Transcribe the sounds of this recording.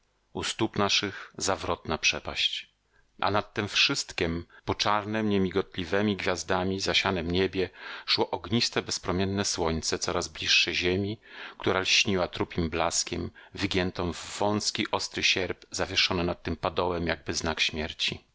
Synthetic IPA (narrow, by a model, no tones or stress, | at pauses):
ust̪upnaʂɘɣzavɾɔt̪napʂɛpa̰ɕt͡ɕ | ʔa̰nat̪ːɛmfʂɘst̪kʲɛmpɔt͡ʂaɾnɛmɲemʲiɡɔt̪lʲivɛmʲiɡvʲjazd̪amʲizaɕanɛmɲebʲjɛʂwɔʔɔɡɲist̪ɛbɛspɾɔmʲjɛnːɛswɔɲt̪sɛt̪sɔɾazblʲiʂːɛʑemʲikt̪uɾalɕɲiwat̪ɾupʲimblaskʲɛmvɘɡʲjɛnt̪ɔ̃w̃vːɔ̃w̃skʲiʔɔst̪ɾɘɕɛɾbzavʲjɛʂɔnɛnat̪ːɘmpad̪ɔwɛmjaɡ̚bɘznakɕmʲjɛɾt͡ɕḭ